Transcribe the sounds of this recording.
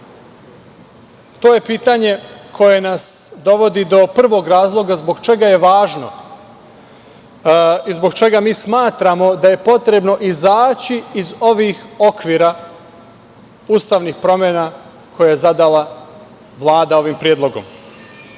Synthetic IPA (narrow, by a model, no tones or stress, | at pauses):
t̪oːje̞piːt̪aɲe̞kʰo̞je̞nasd̪o̞ʋo̞d̪id̪o̞pr̩ʋo̞ɡɾaːzlˠo̞ɡazbo̞ɡt͡ʃe̞ɡaje̞ʋaːʒno̞̰ | izboɡt͡ʃe̞ɡamiːsmaːt̪ɾamo̞d̪aje̞po̞t̪ɾe̞bno̞ʔizaːt͡ɕiːzo̞ʋixo̞kʋiːɾa | uːst̪aːʋnixpɾo̞mʲjena | kʰo̞jajezad̪ala | ʋlˠaːd̪ao̞ʋimpɾijed̪lˠo̞ɡo̞̰m